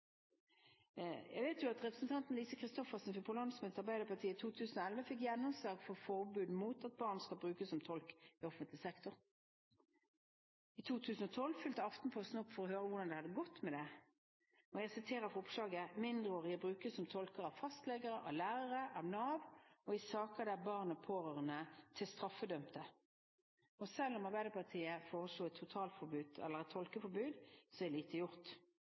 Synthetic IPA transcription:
jæɪɡʋɛɪt̪jʊɑt̪ʁɛpɾʁəsnt̪ʰɑnt̪nliːsəkʰɾɪst̪ɔfəʁsnfɪpʰʊlɔnsmɛɛt̪ɑʁbæɪd̪əpɑt̪ʰiːəɪt̪ʰuːt̪ʰʉːsn̩ɔɛlʋəfɪk̬jɛnːɔmsɑɡfɔʁfɔʁbʉːd̪muːt̪ɑt̪̚bɑːʁnskɑlbʁʉːkəsɔmt̪ʰɔlkɪɔfənt̪lɪsɛkt̪ʊʁ | it̪ʰuːt̪ʰʉːsn̩ɔt̪ʰɔlfʏlt̪əɑft̪n̩pʰɔst̪n̩ʊpːfɔɾɔhøːɾəʋʊd̪ɑnd̪ɛhɑd̪əɡɔt̪mɛd̪ɛ | ɔɛsɪt̪ʰeːʁəfɔʁʊpslɑːɡəmɪnd̪ʁəoːʁɪɛbʁʉːkəsɔmt̪ʰɔlkəʁɑʋfɑst̪lɛɡəʁəʔɑ̰ʋlæːʁəʁəʔɑʋnɑːʋoɪsɑːkəd̪æbɑːʁnəpʰoːʁøːʁənət̪ʰɪlst̪ʁɑfːəd̪œmt̪ə | ɔsɛlːɔmɑʁbæɪd̪əpʰɑʁt̪ʰiːəfoːʁəsluːɛt̪ʰːʊt̪ʰɑːlt̪fɔbʉːd̪ɛ̰lːəʁɛt̪ʰɔlkəfɔbʉːd̪sɔɛliːt̪ʰəjʊʁt̪

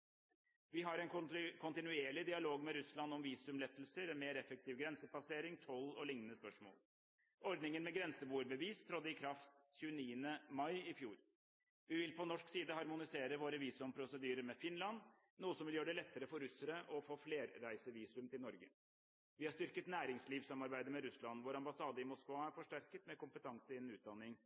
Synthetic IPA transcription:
ʋɪɦɑɾɛɪnkʰʊnt̪ɪnʉeːɭɪd̪ɪɑloːɡmɛɾʉslɑnɔmʋiːsʉmlɛt̪ːəlsəɾɛmeːɾɛfək̚t̪ʰɪːʋɡɾɛnsəpɑseːɾɪŋt̪ʰɔlːɔlɪŋnənəspœʂmo̰ːl | ɔɾd̪nɪŋənmɛɡɾɛnsəbuːəɾbəʋiːst̪ʰɾɔd̪ːəɪkʰɾɑft̪çʉːəniːənəmɑɪɪfjuːɾ | ʋɪʋɪlpʰɔnɔʂksiːd̪əhɑɾmʊnɪseːɾəʋoːɾəʋiːsʉmpʰɾʊsəd̪yːɾəɾmɛfɪnlɑn | nuːəsɔmʋɪljøːɖɛlɛt̪ːəɾəfɔɾʉsəɾəʔɔfoːfleːɾːæɪsəʋiːsʉmt̪ɪlnɔɾɡə̰ | ʋɪhɑʂt̪ʏɾkət̪næːɾɪŋsliːʋsɑmɑɾbæɪd̪əɾmɛɾʉslɑnʋʊɾɑmbɑsɑːd̪əɪmʊskʋɑæɾfɔʂʈæɾkət̪mɛkʊmpət̪ʰɑŋsəɪɛnʉːt̪̚d̪ɑnːɪŋ

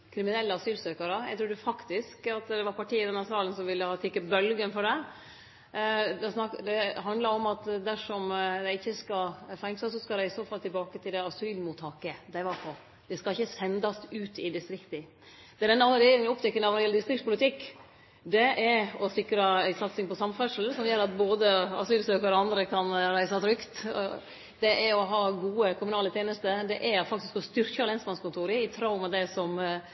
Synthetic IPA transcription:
kʰɾɪmɪnɛlːəɑsyːlsøːkɑɾəjæɪt̪ʰɾuːdʉfɑkt̪ɪskɑt̪d̪ɛʋɑɾpʰɑʈiːɪd̪ɛnːhæɾsɑːlənsɔmʋɪlːəhɑt̪ʰɪkːəbœlɡənfɔɖɛ | d̪ɛsnɑd̪ɛɦɑnd̪lɑɾɔmɑt̪d̪æʂɔmd̪ɛɪɪçːəskɑfɛŋsɑsɔskɑɾɛɪsoːfɑlt̪ʰɪlbɑːkət̪ʰɪld̪ɛɑsyːlmʊt̪ʰhɑkəd̪ɛɪʋɑɾpʰɔ | d̪̥ɛskɑlɪçːəsɛnd̪ɑsʉːt̪ɪd̪ɪst̪ɾɪkt̪ə | d̪̥ɛd̪ɛnːəɑnːəɾɛjeːɾɪŋnɔpt̪ɛkːənɔɑʋnɔɾɪɛləd̪ɪst̪ɾɪktpʊlɪt̪ʰɪkː | d̪ɛɛɾɔsɪkɾɑæɪsɑt̪sɪŋpɔsɑmfœʂəl̩sɔmjøːɾɑt̪̚boːd̪əɑ̰syːlsøːkəɾɔɑnd̪ɾəkʰɑnɾæɪsɑt̪ʰɾʏkt̪ | d̪̥ɛʔɛɾɔɦɑːɡuːəkʰʊmʉnɑːlət̪ʰjeːnəst̪əd̪ɛʔɛfɑk̚t̪ɪskɔst̪ʏɾkəɑɾlɛnsmɑnskʊnt̪ʰuːɾəɪt̪ʰɾɑʊmɑd̪ɛsɔm

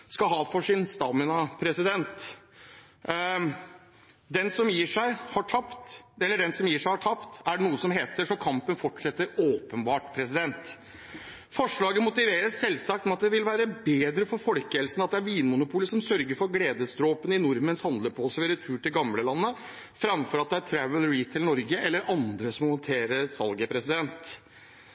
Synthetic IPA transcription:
skɑɦɑːfɔʂɪnst̪ɑːmɪnɑpʰɾɛsɪd̪ɛnt̪ | d̪ɛnsɔmjiːʂæɪhɑʈʰɑpt̪ɛlːəɖɛnsɔmjiːʂæɪhɑʈʰɑpt̪æɖɛnuːəsɔmɦeːt̪əʂɔkʰɑmpənfɔʈʂɛt̪ːəɾoːpənbɑːʈpʰɾɛs̬ɪd̪ɛnt̪ | fɔʂɭɑːɡəmʊt̪ɪʋeːɾəsːɛlsɑk̚t̪mɛɑt̪̚d̪ɛʋɪlʋæːɾəbeːd̪ɾəfɔɾfɔlkəhɛlsənɑt̪̚d̪ɛæɾʋiːnmʊnʊpʰuːləsɔmsœɾɡəɾfɔɾɡleːd̪əst̪ɾoːpənəɪnʊɾmənshɑnd̪ləɾpʰɔɔsʋeːɾət̪ʰʉːʈɪlɡɑmləlɑnːə | fɾɑmfɔɾɑt̪̚d̪ɛæɾʈʰɾæʋəlɾiːt̪ʰɪlnɔɾɡəʔɛlːəɾʔɑnd̪ɾəsɔmhɔnt̪ʰeːɾəɾsɑlɡəpʰɾɛsɪd̪ɛnt̪

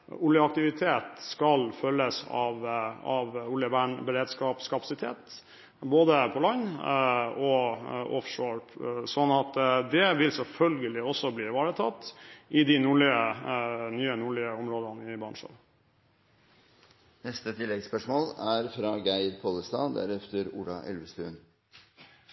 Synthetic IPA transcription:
ʊljəɑk̚t̪ɪʋɪt̪ʰeːt̪skɑlfœlːəsɑ̰ʋɑʋʊlːjəbæːɳbəɾeːd̪skɑːpskʰɑpɑsɪt̪ʰḛːt̪ | boːd̪əpʰɔlɑn | ɔʔɔ̰fʂoːɹsɔnɑt̪d̪ɛʋɪlsɛlfœlɡəlɪɔsːɔbliːʋɑːɾət̪ʰɑt̪ːɪd̪ɪnuːɭɪənyːənuːɭɪəɔmɾoːd̪ənəɪbɑɳʂɑ̰ɾ | nɛst̪ət̪ʰɪlːɛɡspœʂmoːlæɾfɾɑɡæɪɾpʰoləst̪ɑ̰ːd̪æ̰ɾɛft̪əɾṵːɖɑ̰ʔɛ̰lʋəst̪ʉ̰ːn

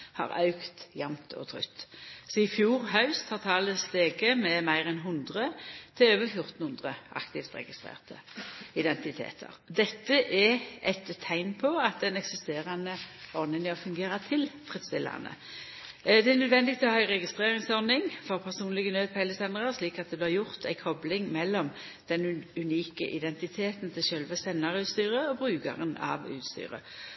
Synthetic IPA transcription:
hɑ̰ʁɑ̰ʉkt̪jɑmt̪ʰɔ̰t̪ʰʁʏ̰t̪ːsɔɪfjuːʁɦɑʉst̪ʰɑːʁt̪ʰɑːləst̪eːɡəmɛmæɪʁɛnɦʊnd̪ʁət̪ʰɪløːʋəfjʊʁt̪n̩hʊnd̪ʁəʔɑ̰kt̪ɪft̪ʁɛ̰ɡɪst̪ʁḛːʁt̪ʰəɪd̪ɛnt̪ɪt̪ʰḛːt̪ʰə̰ʁd̪ɛt̪ːəʔɛʔɛt̪ʰːæɪnpʰɔɑt̪̚d̪ɛnɛksɪst̪eːʁɑnəɔʁnɪŋɔfʉŋɡeːʁɑt̪ʰɪlfʁɪd̪st̪ɪlːɑ̰nə̰ | d̪ɛænœd̪ʋɛnd̪ɪɡ̚t̪ʰɪlɔhɑɪʁɛɡɪst̪ʁeːʁɪŋsɔʁnɪŋfɔʁpʰæʁsuːnlɪɡənøːd̪̚pʰæɪləsɛnd̪ʁɑʁsliːkɑt̪̚d̪ɛblɪʁjʊʁt̪ʰæɪkʰɔblɪŋmɛlːɔm | d̪̥ɛnʉniːkə̰ʔɪd̪ɛnt̪ɪt̪ʰeːt̪n̩t̪ʰɪlʃœlʋəsɛnːɑʁʉːt̪st̪yːʁəɔbʁʉːɡɑ̰ʁənɑ̰ʋʉ̰ːt̪st̪y̰ːʁə̰

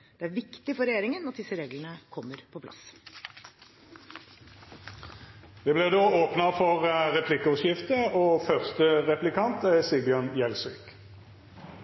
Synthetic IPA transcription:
d̪̥ɛæɾʋɪkt̪ɪfɔɾɛjeːɾɪŋənɑt̪̚d̪ɪsːəɾeːɡlənəkʰɔmːəɾpʰɔpʰlɑ̰s | d̪ɛblɛd̪oːoːpnəfɔʁʁɛpʰlɪkːəɔʃjɪft̪əoːfœʁst̪əʁɛplɪkʰɑnt̪æsɪlbɪɑnjɛlsyk

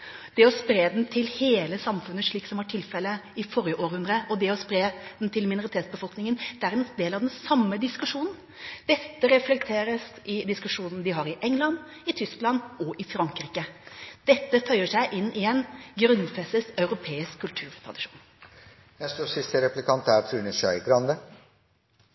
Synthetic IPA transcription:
d̪̥ɛɔspɾeːd̪n̩t̪ʰɪlheːləsɑmfʉnːəʂɭiːksɔmʋɑʈʰɪlfɛlːəɪfɔɾjəʔoːɾhʉnd̪ɾəʔɔd̪ɛɔspɾeːd̪n̩t̪ʰɪlmɪnʊɾɪt̪ʰeːt̪sbəfɔlknɪŋənd̪̥ɛæɾɛnd̪eːlɑʋd̪ɛnsɑmːəd̪ɪskʉʂuːnn̩ | d̪̥ɛt̪ːəɾɛflɛk̚t̪ʰeːɾəsʔɪd̪ɪskʉʂuːnn̩d̪ɪɦɑɾɪʔɛŋlɑn | ɪt̪ʰʏsklɑnːɔʔɪfɾɑŋkɾiːkəd̪̥ɛt̪ːəfʰœʏəʂæɪʔɪnːʔɪɛnɡɾʉnfɛsəsɑʉɾʊpʰeːɪskʰːʉlt̪ʰʉːɾt̪ʰɾɑ̰d̪ɪʂu̥̰ːn | jæst̪oːsɪst̪əɾɛplɪkʰɑnt̪æɾt̪ʰɾʉːnəʃœʏɡɾɑnd̪ə

